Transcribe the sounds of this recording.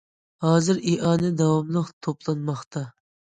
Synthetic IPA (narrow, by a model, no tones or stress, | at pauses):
hɑːzɨɾeʔɑːnɨd̪ɑwɑmlˠəqt̪ʰoplˠɑnmɑχt̪ʰɑ